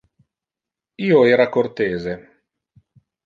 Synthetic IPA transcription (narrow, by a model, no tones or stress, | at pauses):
iːoeːɾakort̪eːze